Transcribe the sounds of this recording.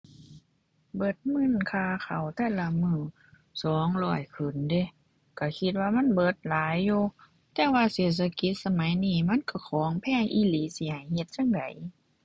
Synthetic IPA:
bɤ˧˩t̪̚mɯ˧˥˨nkʰaː˧˨xa˨˩wt̪ʰɛː˧˥˨la˧˨mɯː˧˩ | sɔː˨˦ŋlɔː˧˩jkʰɯ˨˩nde˧˨ | ka˧˩kʰi˧t̪̚waː˧ma˧˥˨nbɤː˧˩t̪̚laː˨˦jːuː˧ | t̪ɛː˧˦waː˧˨seː˨˩t̪̚sʰa˧ki˧˦t̪̚sa˧ma˨˦jniː˧˩ma˧˥˨nka˧˩kʰɔː˨˦ŋpʰɛː˧˥˨ʔiː˧˨liː˨˦si˧˦ha˨˩jhe˧t̪̚sa˧˥˨ŋda̰˨˦j

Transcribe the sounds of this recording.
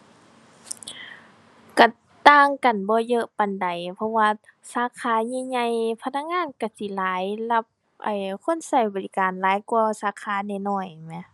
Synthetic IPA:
ka˧˩ | t̪aː˧˨ŋka˨˩nbɔː˧˦jɤ˧ʔpa˨nda˨˩jpʰɔ˧waː˧saː˨˧˦kʰaː˧˦ɲaː˧ɲa˧jpʰa˧na˧k̚ŋaː˧˥˨nka˧˩si˧˦laː˨˦jla˧p̚ | ʔa˨˩jkʰo˧˥˨nsa˧˩jbɔː˨li˧kaː˨nlaː˨˦jku˧ɐsaː˨˦kʰaː˧˥˦na˧˩jnɔː˧˩jmɛ˧˨

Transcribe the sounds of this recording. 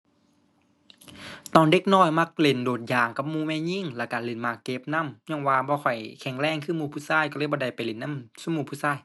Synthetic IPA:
t̪ɔː˨˩nde˧˦k̚nɔː˧˩˨jma˧˩k̚le˨˩˦ndoː˨˩t̪̚jaː˨˩ŋka˧p̚muː˧˨mɛː˧˨ɲi˧˨ŋlɛː˧˩kaː˨˩le˨˩˦nmaː˧˩kːe˧˦p̚na˧˥˨mɲɔː˧˥˨ŋwaː˧bɔː˧kʰɔ˨˩jkʰɛ˨˧˩ŋlɛː˧˩ŋkʰɯː˧˨muː˧˩pʰuː˧˩saː˧˥˨jkɔ˧lɤː˧˨jbɔː˧da˨˩jpa˨jle˨˩nːa˧˥˨msuː˧˥˨muː˧˩pʰuː˧˩˨saː˧˩˨j

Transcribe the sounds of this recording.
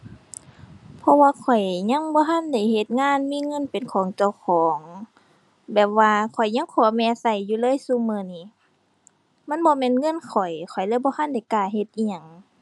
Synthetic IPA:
pʰɔ˧waː˧kʰɔ˨˩jɲa˧˥˨ŋbɔː˧˦ɦa˧˥˨nda˧˩jhe˧˩t̪̚ŋaː˧˥˨nmiː˧˥˨ŋɤ˧˥˨npe˨nkʰɔː˨˦ŋt͡ɕa˧˩wkʰɔː˨˦ŋ | bɛː˨˩p̚waː˧kʰɔ˨˩jɲa˧˥˨ŋkʰɔː˧˩˦mɛː˧sa˧˩jːuː˧˨lɤː˧˥˨jsu˧˥˨mɯː˧˩˨niː˧˩˨ | ma˧˥˨nbɔː˧˦mɛː˧˥˨nŋɤ˧˥˨nkʰɔ˨˩jkʰɔ˨˩jlɯː˧˥˨jbɔː˧ha˧˥˨nda˧˩˨jkaː˧˩he˧t̪̚ʔiː˧ɲa˧˩ŋ

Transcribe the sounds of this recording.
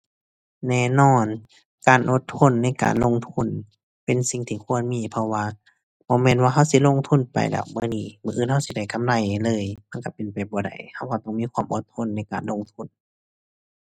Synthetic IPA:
nɛː˧˨nɔː˧˥˩n | kaː˨nʔo˧˦t̪ʰːo˧˥˨nːa˧˥˨jka̰ː˨nlo˧˥˨ŋt̪ʰu˧˥˨n | pe˨nsi˨˧˩ŋt̪ʰiː˧˩kʰu˧˥˨ə˨nmiː˧˨pʰɔ˧waː˧ | bɔː˧˦mɛː˧˥nwaː˧ɦa˧˥˩wsi˧˥˨lo˧˨ŋt̪ʰu˧˥˨npa̰˨jlɛ̰ː˧˩wmɯː˧˨niː˧˩mɯː˧ʔɯː˧˥˨nha˧wsi˧˦da˧˩jka˧˨mla˧˩jlɤː˧˥˨jma˧˥˨ka˧˩pe˨npa˨˩jbɔː˨˦da̰˨˩jha˧˩˨wka˧˩t̪ɔ˧˩˨ŋmiː˧˥˨kʰwaː˧˥˨mʔo˧˦t̪ʰːo˧˥˨nːa˧˥˩jkaː˨nlo˧˥˨ŋt̪ʰu˧˥˨n

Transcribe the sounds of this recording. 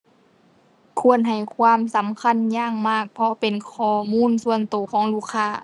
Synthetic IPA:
kʰu˧˩˨ənɦa˨˩jkʰwaː˧˥˨msa˨˦mkʰa˧˥˨njaː˧˥˨ŋmaː˧˥˩k̚pʰɔ˧pe˨nkʰɔː˧˩muː˧˥˨nsu˧˨ənt̪oː˨˩kʰɔː˨˦ŋluː˧˩kʰːaː˧˨

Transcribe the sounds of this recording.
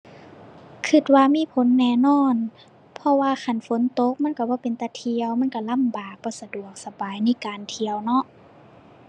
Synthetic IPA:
kʰɯ˧˩t̪̚waː˧miː˧˥˨pʰo˨˦nːɛː˧˩nɔː˧˥˨n | pʰɔ˧waː˧xʰa˧˩˨nfo˨˦nt̪o˧˦k̚ma˧˥˨nka˧˩bɔː˧˦pe˨nt̪a˧˩t̪ʰi˧əwma˧˥˨nka˧˩la˧˥˨mbaː˨˩k̚bɔː˧˩sa˧du˨˩ək̚sa˧baː˨jna˧˥˨kaː˨nt̪ʰi˧əwnɔ˧˥ʔ

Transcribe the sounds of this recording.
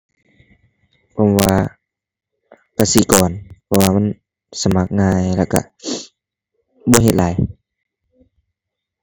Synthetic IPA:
pʰɔː˧˩mwaː˧ | ka˧˩si˨˦kɔː˨˩npʰɔː˧waː˧ma˧˥˨n | sa˧˨ma˧˦˥k̚ŋaː˧jlaː˧˩wka̰˧˩ | bɔː˧˦ɦe˨˧t̪̚laː˨˦j

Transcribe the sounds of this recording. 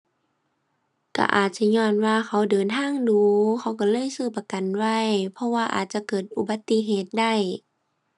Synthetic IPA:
ka̰˧˩ʔa̰ː˨˩t̪̚t͡ɕa˧˦ɲɔː˧˥˩nwaː˧xʰa˧˩wdɤː˨nt̪ʰaː˧˥˨ŋduː˧˦kʰa˧˦wka˧˦lɤː˧˥˨jsɯː˧˩pa˧ka˨nwa˧˥˩jpʰɔ˧waː˧ʔa̰ː˨˩t̪̚t͡ɕa˧˦kɤː˨˩t̪̚ʔu˧˩ba˧˦t̪ːi˧˥ɦeː˨˩t̪̚da˧˥˩j

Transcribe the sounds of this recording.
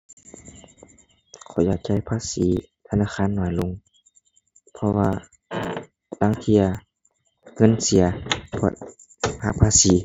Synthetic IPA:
kʰɔ˨˩jaː˨˩k̚t͡ɕa˧˩˨jpʰaː˧˥˨siː˨˦t̪ʰa˧naː˧˥˨xaː˧˥˨nːɔː˨˦jlo˧˥˨ŋ | pʰɔ˧waː˧ | t̪aː˧˥˨ŋt̪ʰi˧˩ɐ | ŋɤ˧˥˨nsi˨˦ɐpʰɔ̰˧˨ | ha̰˧˥˨pʰaː˧˥˨siː˨˦

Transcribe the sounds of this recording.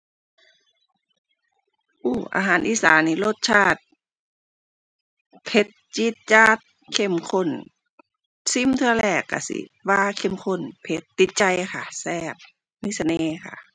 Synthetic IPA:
ʔuː˧˩ʔa̰ː˧ɦaː˨˦nʔiː˧˨sa̰ː˨˦nːiː˧˩lo˧˩t̪̚t͡ɕʰaː˧˩t̪̚ | pʰe˧˥t̪̚t͡ɕi˧˥t̪̚t͡ɕaː˧˩t̪̚ | kʰe˧˥˩mkʰo˧˥˨n | si˧˥˨mt̪ʰɯ˧ɐ˧lɛː˧˩kːa̰˧˩sḭ˧˦waː˧kʰe˧˩˨mkʰo˧˨npʰe˧˦t̪ːi˧˦t̪̚t͡ɕa˧jxa˧˩sɛː˧˩p̚ | miː˧˥sa˧neː˧˦kʰa̰˧˩

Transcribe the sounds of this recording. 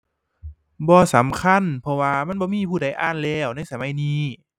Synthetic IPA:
bɔː˧sa˨˦mkʰa˧˥˨npʰɔ˧waː˧ma˧˥˨nbɔː˧miː˧˥˨pʰuː˧˩da˧˩jʔaː˧˥˨nlɛː˧˩wna˧˥˩jsa˧˦ma˨˧˦jniː˧˥˨

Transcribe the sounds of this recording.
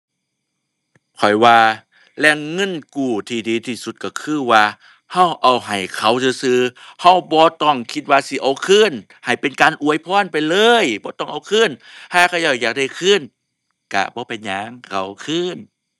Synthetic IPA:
kʰɔ˨˩jwaː˧ | lɛː˧˩˨ŋːɤ˧˥˨nkuː˨˩t̪ʰiː˧˩diː˨t̪ʰiː˧˩su˧t̪̚ka˧˩kʰɯː˧˥˨waː˧ | ha˧˩˨wʔa˨˩wɦa˨˩jkʰa˧˩wsɯː˧˦sɯː˧ha˧˩˨wbɔː˧˦t̪ɔ˧˩ŋkʰi˧t̪̚waː˧si˧˦ʔa˨˩wkʰɯː˧˥˨n | ha˨˩jpe˧˨˦nkaː˨nʔu˧˨əjpʰɔː˧˥˨npa˨jlɤː˧˥jbɔː˧˦t̪ɔ˧˩ŋʔa˨˧wkʰɯː˧˥˨nhaː˧˩kʰa˧˩˨jaː˧˩jaː˨˩k̚da˧˩˨jkʰɯː˧˥˨n | ka̰˧˩bɔː˧˦pa˨˧jɲaː˧˦ŋkʰa˧˩wkʰɯː˧˥˩n

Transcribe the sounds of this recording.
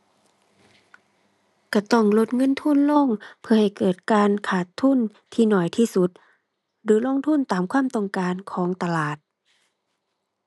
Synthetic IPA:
ka˧˩t̪ɔ˧˩ŋlo˧˥t̪̚ŋɤ˧˥˨nt̪ʰu˧˥˨nlo˧˥˨ŋpʰɯ˧ɐha˨˩jkɤː˨˩t̪̚kaː˧nkʰaː˨˩t̪ʰːu˧˥˨n | t̪ʰiː˧˩nɔː˨˩jt̪ʰiː˧˩su˧˦t̪̚ | dɯː˨˦lo˧˥˨ŋt̪ʰu˧˥˨nt̪aː˨mkʰwaː˧˥˨mt̪ɔ˧˨ŋkaː˨˧nkʰɔː˨˦ŋt̪a˧laː˨˩t̪̚

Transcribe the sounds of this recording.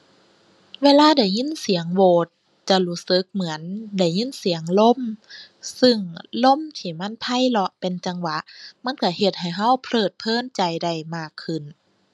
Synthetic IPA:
weː˧˥˨laː˧˨da˧˩jɲi˧˥˨nsi˨˩˦əŋwoː˨˩t̪̚ | t͡ɕa˧luː˧˥sɯ˧˦k̚mɯ˩˦ənda˧˩jɲi˧˥˨nsi˨˦əŋlo˧˥˨msɯ˧ŋlo˧˥˨mt̪ʰiː˧˩ma˧˥˨npʰa˧˥˨jlɔ˧ʔpe˨nt͡ɕa˧ŋwa˧˦ʔma˧˥˨nka˧˩he˧˩t̪̚ha˨˩jɦa˧˥˨wpʰlɤː˧˨˩t̪̚pʰɤː˧˥˨nt͡ɕa˨˩jda˧˩jmaː˧˩kʰːɯ˨˩˨n

